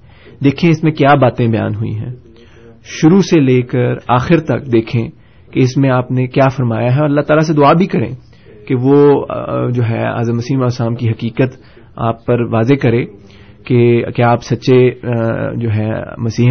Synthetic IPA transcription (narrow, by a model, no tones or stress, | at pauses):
d̪eːkʰẽɪsmẽkjaːbaːt̪ẽbɐja̰ːnɦʊḭ̃ɦɛ̰̃ː | ʃʊɾuseleːkəɾaːxɪɾt̪ɐk̚d̪eːkʰẽ | keɪsmẽaːpnekjaːfɐɾmaːjaɦɛɔːɾɐlːaɦt̪aːlas̬ed̪ʊaːbʱikɐɾḛ̃ː | keʋoː | d͡ʒoːɦɛ̰a̰ːzəmɐsiːmɔːsaːmkiɦɐkiːkət̪ | a̰ːpːɐɾʋaːzekɐɾẽː | kekjaaːpsɐtːʃe | d͡ʒoːɦɛmɐsiː